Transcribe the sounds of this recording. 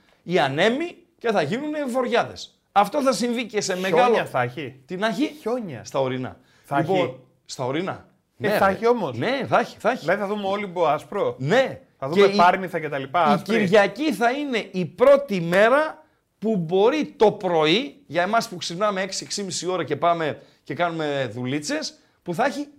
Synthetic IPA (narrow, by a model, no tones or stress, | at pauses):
iɐne̞mi | ce̞θɐʝinunevo̞ɾʝɐðe̞s | ɐft̪o̞θɐsiɱvice̞se̞me̞ɣɐloɐθɐçit̪inɐçiçoɲɐst̪ɐo̞ɾinɐ̰ | θlipon | st̪ɐo̞ɾinɐ̰ | neɐçio̞mosneθɐçi̥θɐçlɐðiθɐðumeo̞liboɐspɾone̞ | θɐðuemepɐɾmiθɐcet̪ɐlipɐiscɾiiɾʝɐciθɐine̞ʔipɾo̞t̪ime̞ɾɐ | pubo̞ɾit̪o̞pɾo̞iʝɐemɐspuxsipnɐme̞e̞ksieksimisio̞ɾɐce̞pɐme̞ | ce̞kɐnume̞ðulit͡se̞s | puθɐçi